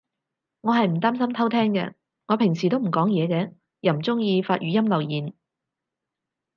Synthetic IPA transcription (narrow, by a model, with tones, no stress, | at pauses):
ŋɔː˨˧ɦɐ˨jm̩˨˩t̪aː˥msɐ˥mt̪ʰɐ˥wt̪ʰɛː˥ŋkɛ̰˧ | ŋɔː˨˧pʰɪ˨˩ŋsiː˨t̪o˥wm̩˨˩kɔː˨˥ŋjɛː˨˧kɛː˨˧ | jɐ˨˩m̩˨˩t͡sʊ˥ŋjiː˧faː˧t̚ʔyː˨˥jɐ˥mlɐ˨wjiː˨˩n